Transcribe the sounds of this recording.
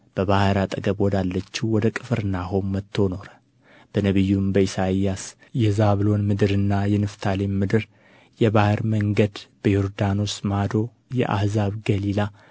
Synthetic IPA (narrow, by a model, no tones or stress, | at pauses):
b̥əβahɨɾat̪ʼəɡəβwɔd̪alːət͡ʃːiwɔd̪əkʼɨfɨɾɨnːaɦomːət̪ʰːo̞no̞ɾə | b̥ənəβɨjːumbəisajːas | jɛzaβlo̞nmɨd̪ɨɾɨnːajɛnɨft̪ʰalemɨd̪ɨɾ | jɛβahɨɾməŋɡəd̪b̥əjoɾd̪ano̞smad̪o̞ | jɛ̰ʔa̰hzaβɡəlila